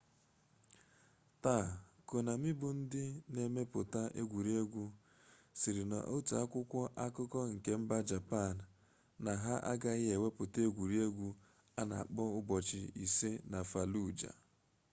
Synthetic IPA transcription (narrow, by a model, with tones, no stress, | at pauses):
ta˦˨ko˨na˨mɪ˦bʊ˨n̩˦dɪ˦ne˨me˦pʊ˨ta˦ʔe˦ɡʷu˨ɾi˦e˦ɡʷu˦ | si˨ɾɪ˨na̰˨ʔo˦tu˨a̰˦kʷʊ˦kʷɔ˦ʔa˦kʊ˦kɔ˦ŋ̩˨ke˦m̩˦ba˦d͡ʒa˨pa˦˨n̩˨ | na˨ɦa˦ʔa̰˦ɡa˦ɣɪ˦e˨we˦pʊ˨te˦ɡʷu˨ɾi˦e˦ɡʷu˦ | a˦na̰˨a˨k͡pɔ˦ʊ˦bɔ˨t͡ʃɪ˨ḭ˨se˦na˨fa˨lu˦˨d͡ʒa̰˨